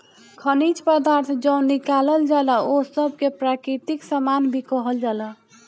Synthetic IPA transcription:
kʰənit͡ʃpəd̪aɾt̪ʰd͡ʒə̃ʊ̃nikaləld͡ʒaləosəbʱkepɾakɾit̪iksamanbʱikɔɦəld͡ʒalə

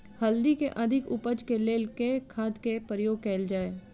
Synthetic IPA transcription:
hɐld̪ikeʔɐd̪ʱɪkʊpəd͡ʒkeleːlkekʰaːd̪kepəɾjoːɡ̚kɛːld͡ʒaːeː

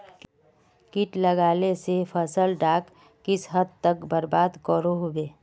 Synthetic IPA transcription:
kɪʈləɡaːlesepʰəsəlɖaːkː | ɪsɦəd̪̚t̪əkbəɾbaːd̪kɔːɾoɦobeː

